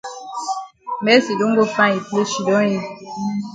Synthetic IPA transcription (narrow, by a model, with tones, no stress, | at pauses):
mɛ˦si˨do˦ŋ˦ɡo˦fã˦i˨ple˦ʃi˨dɔ̃˦ji˦